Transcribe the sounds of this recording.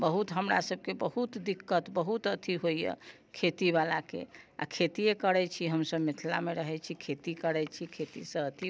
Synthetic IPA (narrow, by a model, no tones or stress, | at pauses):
bəɦut̪ɦəmɾa̰səb̚kebəhut̪d̪ikːət̪bəɦut̪ət̪ʰiɦojjə̰ | kʰet̪iβalakḛa̰kʰet̪ijekəɾɛt͡ʃʰiɦəmsəbmit̪ʰla̰meɾəɦɛt͡ʃʰikʰet̪ikəɾɛt͡ʃʰikʰet̪isə̃ət̪ʰi